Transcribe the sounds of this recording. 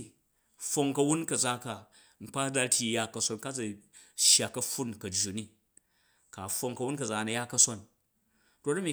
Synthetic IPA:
fo˧ŋkɐ˧wu˦nkɐ˨d͡za˦ka˨ | ŋ͡m̩˨k͡pa˦da˧tʲi˧˨ja˦kɐ˧so˧˦nka˦d͡zɐ˨ | ʃja˨kɐ˦ɸu˦nkɐ˨d͡ʒːu˨ni˦ | ka˨fo˧ŋkɐ˧wu˦nkɐ˨d͡za˨nɐ˨ja˦kɐ˦so˦n | to˦tɐ˦mʲi˨

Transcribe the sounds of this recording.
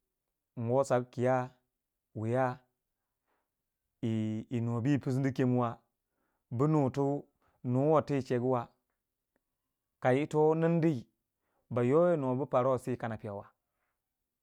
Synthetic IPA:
ŋ˨ɡo˦sa˨kkːi˨ja˦ | wi˨ja˦ | i˨i˨no˨bi˦˨pi˦s̬n˦di˦ke˦mu˦wa˨ | bə˦nu˨tu˦ | nu˨˦wo˨ti˦i˨t͡ʃe˨ɡi˦wa˨ | ka˨ji˦to˦nə˦n˦di˦i˨ | ba˨jo˦je˦no˨bə˦pa˨ɾo˦˨si˦˨ka˨na˨pi˨ja˨wa˨

